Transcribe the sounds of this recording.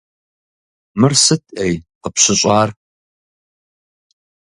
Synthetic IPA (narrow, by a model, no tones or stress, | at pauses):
mɨrsɨtʰʼʔejqəpɕɪɕʼɑːr